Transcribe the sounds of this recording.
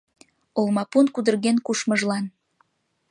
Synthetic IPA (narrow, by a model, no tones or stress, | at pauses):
olmɑpunkud̪ərɣenkuʃməʒlɑn